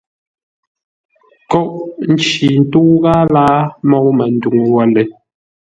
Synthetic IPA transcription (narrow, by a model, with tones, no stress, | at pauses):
kɔ˦ʔn̩˦t͡ʃi˨n̩˦tu˦ɣaː˦laː˦mɔ˦˨ʔmə˨n̩˦du˨ŋ˨wa˦lɛ˨